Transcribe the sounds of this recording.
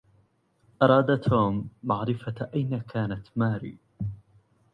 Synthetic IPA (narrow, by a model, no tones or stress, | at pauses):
ʔɑɾˤɑːd̪at̪ʰoːmːaʕɾɪfaʔajnakʰaːnat̪maːɾḭː